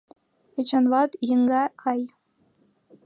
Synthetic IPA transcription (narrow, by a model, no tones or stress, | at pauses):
et͡ɕɑnʋɑt̪jɤ̆ŋɡɑkɑj